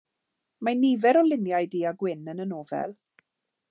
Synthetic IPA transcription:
maniːvɛɾɔlɪnjajdiːaɡwɪnənənoːvɛ̰lˠ

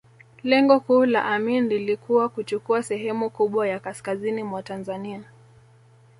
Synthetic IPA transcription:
lɛŋɡɔhuːla̰ʔaminlilikuwakut͡ʃukuasɛɦɛmukuɓwajakaskazinimwatanzania

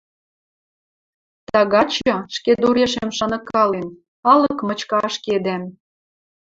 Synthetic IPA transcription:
t̪ɑɣɑt͡ɕɤ̆ʃked̪oɾeʃĕmʃɑnɤ̆kɑlen | ɑlɤ̆kmɤ̆t͡ɕkɑʃked̪æm

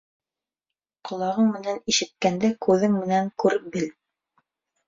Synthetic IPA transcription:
qŏlˠɑʁɤŋmɘ̆næniʃɘ̆t̪̚kænd̪ækʉðɘŋmɘ̆næŋkʉɾbɘl

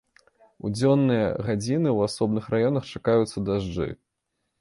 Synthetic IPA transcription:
ud͡zʲɔnːɨjɐ̰ɣad͡zʲinɨwasɔb̚nɨxɾajɔnɐxt͡ʂakajut̪sːɐd̪aʐd͡ʐɨ̰

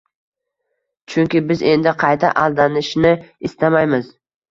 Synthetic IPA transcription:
t͡ʃʰʊŋkʲɪbɪze̞nd̪ɪqʰɑjt̪ʰa̰ʔalˠd̪anɪʃnɪɪst̪amajmɪz̥

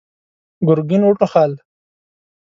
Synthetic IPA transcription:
ɡʊɾɡinuʈoxal

